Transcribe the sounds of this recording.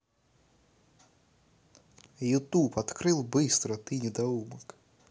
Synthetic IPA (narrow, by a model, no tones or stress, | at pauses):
jut̪upɐt̪kɾɪlˠbɪst̪ɾɔt̪ɪnʲid̪ɐumɐk